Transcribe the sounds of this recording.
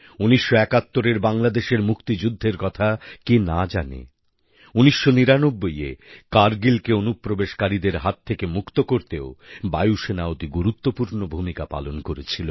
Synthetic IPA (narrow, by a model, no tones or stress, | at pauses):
uniʃːoɛkat̪ːoɾeɾbaŋlad̪eʃeɾmukt̪id͡ʑud̪ʱːeɾkɔt̪ʰakenad͡ʑanḛ | uniʃːoniɾanobːojḛkaɾɡilkeonupːɾobeʃkaɾid̪eɾɦat̪ʰːekemukt̪okoɾt̪eobajuʃenaot̪iɡuɾut̪ːopuɾnobʱumikapa̰lonkoɾet͡ɕʰilo